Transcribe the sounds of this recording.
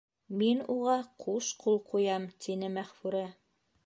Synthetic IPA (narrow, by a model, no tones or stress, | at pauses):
minuʁɑqʰuʃqulˠqʰujɑmt̪ʰinɘmæχfʉɾæ